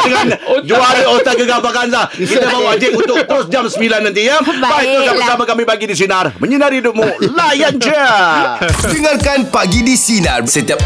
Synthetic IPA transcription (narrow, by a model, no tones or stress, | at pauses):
dəŋand͡ʒuaot̪akəɡabakanlahkit̪əmauad͡ʒɪʔunt̪ʊkt̪əɾʊsd͡ʒamsəmbilanːãnt̪iɲəbbait̪okabəsamakamĩpaɡidis̬inarməɲənarhidʊp̚mũlajand͡ʒə | d͡ʒəŋankanpaɡidisina̰rsət̪iap̚